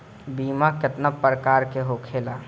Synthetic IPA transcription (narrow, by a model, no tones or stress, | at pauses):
biːmakɪt̪napəɾəkaːɾkeɦoːkʰeːlaː